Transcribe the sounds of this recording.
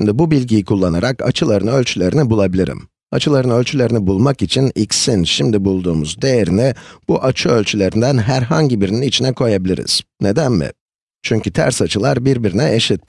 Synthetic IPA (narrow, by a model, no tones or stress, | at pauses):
md̪ibubilʲɟijikʰulˠːanaɾaka̰t͡ʃʰɯlˠaɾɯnø̞lʲt͡ʃʰylʲe̞ɾinibulˠabilʲiɾḭm | at͡ʃʰɯlˠaɾɯnølʲt͡ʃʰylʲeɾinibulˠmakit͡ʃʰinicsinʃimd̪ibulˠd̪uːmuzd̪e̞jeɾinib̥uʔat͡ʃʰɯølʲt͡ʃʰylʲe̞ɾind̪ænɦæɾɦaɲɟibiɾininit͡ʃʰinɛkʰo̞jabilʲḭɾḭz̥ne̞d̪ænmɪ̰ | t͡ʃʰyɲcyt̪ʰæ̰ɾsat͡ʃʰɯlˠaɾbiɾbiɾinɛʔeʃit̪̚